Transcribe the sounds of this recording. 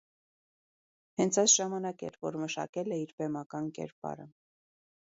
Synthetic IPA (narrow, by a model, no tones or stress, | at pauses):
hɛnt͡sʰɑjsʒɑmɑnɑkɛ̰ɾvɔ̰ɾməʃɑ̰kɛlɛiɾbɛmɑkɑnkɛ̰ɾpɑ̰ɾə